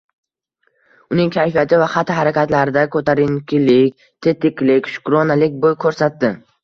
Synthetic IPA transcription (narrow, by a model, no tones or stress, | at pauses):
ʊnɪŋkʲʰajfijat̪ʰɪvaχat̪ʰɪɦaɾakʲʰat̪laɾɪd̪akʰɵt̪ʰaɾɪŋkʲʰɪlɪkʲ | t̪ʰe̞t̪ɪkʲlɪkʲʃʊ̥kɾonalɪkʲbojkʰɵɾsat̪ːɪ